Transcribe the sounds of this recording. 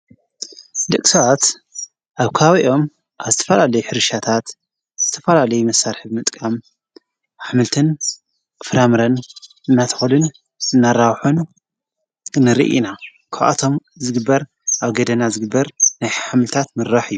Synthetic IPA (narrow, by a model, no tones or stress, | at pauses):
d̪ɐkʼsɐat̪ | ʔaβkʰaβiʔo̞m | ʔaβzɨt̪ʰɐfɐlalɐjuħɨɾɨʃat̪ʰat̪ | z̥ɨt̪ʰɐ̥fɐlalɐjumɐsaɾħɨβmɨt̪ʼkʼam | ʔaħmɨlt̪ʰɨn | fɨɾamɨɾɐnʔɨnːat̪ʰɐ̥xulɨn | ɨnːaɾawħun | nɨɾḭʔḭna | kʰaβʔa̰t̪ʰo̞m | zɨɡɨbːɐɾ | ʔaβɡɐd̪ɐnazɨɡɨbːɐɾnajħmɨlt̪ʰat̪mɨɾːaħɨjːu